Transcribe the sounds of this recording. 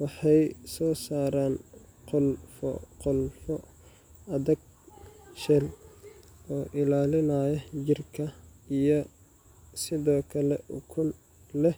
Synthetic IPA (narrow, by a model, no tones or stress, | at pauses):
wɑħɑjsɔːsaːɾaːnqʊlfɔ̰qʊlfɔ | ɐðɐɡ̚ | ʃɛl | ɔːʔɪlaːlɪnaːjɐt͡ʃɪrkʰɐijɔ | sɪðɔːkʰɐlɛʔʊkʰʊn | lɛh